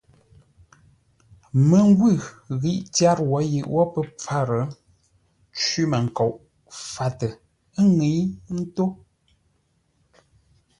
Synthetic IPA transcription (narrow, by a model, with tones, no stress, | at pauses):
mə˨ŋ˦ɡwʉ˦˨ | ɣi˦˨ʔtja˦ɾwɔ˨˦ji˨ʔwʔɔ˦pə˦p͡fa˦ɾə˨˦ | t͡ʃwi˦mə˨ŋ̩˨kɔ˨ʔ | fa˨tə˨ | ə˦ŋi˨˦n̩˦to˦